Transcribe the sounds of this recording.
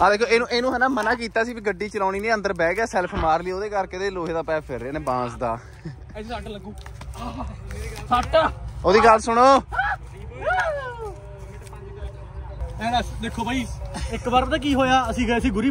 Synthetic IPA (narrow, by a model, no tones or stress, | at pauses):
ɦãːd̪eːkʰoːeːnũːʔeːnũːɦɛ̃ːnaːmənaːk̬iːt̪aːsiːbiːɡəɖːiːt͡ʃəlaːɽ̃iːnẽːə̃nd̪əɾbɛːɡɛːsɛːlpʰmaːɾliːoːd̪eːkəɾket̪eːloːɦeːd̪aːpɛːpʰɪɾːaːnẽːbãːsd̪a̰ː | saʈləɡũː | saʈaːoːd̪iːɡəlsʊɽ̃oː | ɛ̃ːd̪eːkʰoːbʱaːiːɪkbaɾt̪aːk̬iːɦoːjaːəsĩːɡeːəsĩːɡʊɾiː